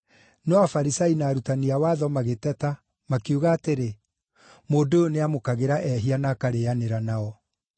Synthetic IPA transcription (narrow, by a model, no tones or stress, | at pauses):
newafaɾisainaːɾutaniawaðɔmaɣetɛta | makeuɣaːteɾe | moːdooneamokaɣeɾaʔɛɦianakaɾeaneɾanaɔ